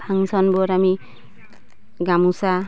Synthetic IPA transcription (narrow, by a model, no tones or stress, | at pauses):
pʰaŋsɔnbɔɾami | ɡamusa